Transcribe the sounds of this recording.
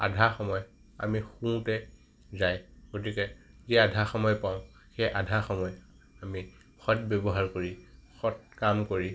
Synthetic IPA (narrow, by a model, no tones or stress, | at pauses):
a̰dʱaxɔmɔj | a̰mixũtɛ | zajɡ̥otikɛziadʱaxɔmɔjpaʊ̃ | xejʔadʱaxɔmɔj | ami | xɔt̚bɛbɔɦaɹkoɹixɔt̚kamkoɹi